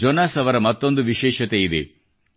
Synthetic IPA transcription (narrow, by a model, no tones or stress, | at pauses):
d͡ʒonaːsɐʋɐɾɐmɐt̪ːo̞nd̪uʋiʃɛːʃɐt̪eid̪ḛ